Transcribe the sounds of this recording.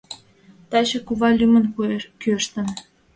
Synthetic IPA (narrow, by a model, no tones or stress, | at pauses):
t̪ɑt͡ɕĕkuβɑlʲymə̆nkøʃt̪ə̆n